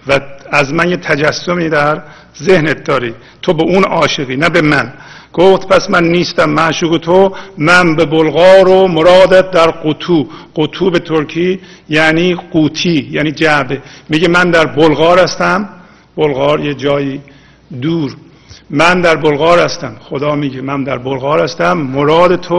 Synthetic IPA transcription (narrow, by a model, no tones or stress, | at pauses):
vææzmænjet̪ʰæd͡ʒæsːomiːd̪æɾ | zehnet̪̚d̪ɒːɾiː | t̪ʰobeʔunɒːʃeɣiːnæbe̞mæn | ɡ̥oft̪pʰæsmænːiːst̪æmːæʔʃuːɣet̪ʰomænbebolɣɒːɾomoɾɒːd̪æt̪̚d̪æɾɡot̪ʰuːɢ̥ot̪ʰuːbet̪ʰoɾkʰiː | jæniːquːt̪ʰiːjæːniːd͡ʒæʔbemiːɟemænd̪æɾbolɣɒːɾæst̪æm | b̥olɣɒːɾjed͡ʒɒːjiː | d̪uːɾ | mænd̪æɾbolɣɒːɾhæst̪æmxod̪ɒːmiːɟemænd̪æɾbolɣɑːɾæst̪æmːoɾɒːd̪et̪ʰo